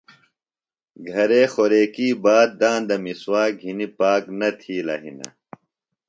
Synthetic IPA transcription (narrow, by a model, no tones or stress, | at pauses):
ɡʱɐɾeːxoɾeːkiːbaːd̪̚d̪ãːnd̪ɐmiswaːɡʱinipaːknɐt̪ʰiːlɐ̰ɦḭnɐ̰